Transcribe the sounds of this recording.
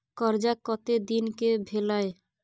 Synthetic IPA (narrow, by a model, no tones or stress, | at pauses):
kɔɾd͡ʒakɔt̪ed̪inkebʱelae